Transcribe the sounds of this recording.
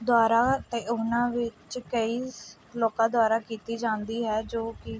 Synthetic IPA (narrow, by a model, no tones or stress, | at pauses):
d̪ʊaːɾaːt̪eːʊnãːʋɪt͡ʃkəiː | loːkãːd̪ʊaːɾaːkiːt̪iːd͡ʒãːnd̪iːɦɛːd͡ʒoːkɪ